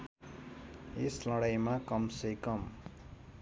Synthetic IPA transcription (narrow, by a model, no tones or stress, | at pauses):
eslʌɽajmakʌmsejkʌm